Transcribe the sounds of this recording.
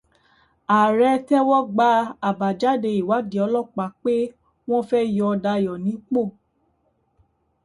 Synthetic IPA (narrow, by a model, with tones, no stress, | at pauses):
a˨ɾɛ˧tɛ˦wɔ˦ɡ͡ba˦a˨ba˨d͡ʒa˦de˧i˨wa˨˦di˨˦ɔ˨˧˦lɔ˦˨k͡pa˨˦k͡pe˦ | w̃ɔ̃˦fɛ˦jɔ˧da˧jɔ˨nĩ˨˦k͡po˦˨